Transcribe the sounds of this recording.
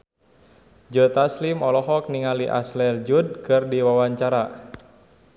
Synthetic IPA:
d͡ʒət̪aslimɔlɔɦɔk̚niŋaliʔa̰slɛrd͡ʒud̚kɨrdiwawaɲt͡ʃaɾa

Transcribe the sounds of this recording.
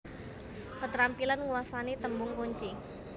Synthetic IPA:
kət̪əɾampilanŋuwasanet̪əmbʊŋkuɲt͡ʃi

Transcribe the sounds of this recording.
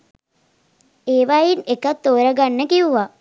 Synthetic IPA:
eːʋajinekət̪ːoːɾəɡanːəkiuʋa

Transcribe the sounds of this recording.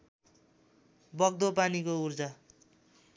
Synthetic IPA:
bʌɡ̚d̪opanikourd͡za

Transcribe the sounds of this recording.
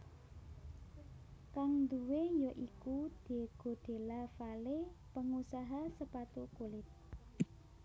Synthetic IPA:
kaŋnd̪uwejɔʔikud̪̥e̤ɡ̥o̤d̪̥e̤lafalepəŋusaɦasəpat̪ukulɪt̪̚

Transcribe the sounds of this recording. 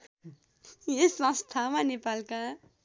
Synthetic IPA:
jesʌ̃st̪ʰamanepalka

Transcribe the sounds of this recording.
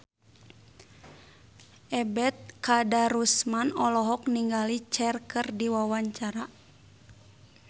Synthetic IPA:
ʔɛbɛt̪̚kadaɾusmanɔlɔɦɔk̚niŋɡalit͡ʃɛrkərdiwawaɲt͡ʃaɾa

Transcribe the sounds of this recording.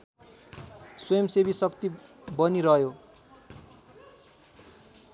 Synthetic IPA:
swʌjʌmsebisʌkt̪ibʌniɾʌɦjo

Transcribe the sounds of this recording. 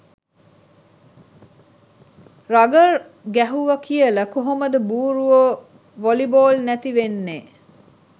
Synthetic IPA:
raɡəɾ | ɡæɦuʋəkijələkoɦoməd̪əbuːɾuʋo | ʋoliboːlnæt̪iʋenːeː

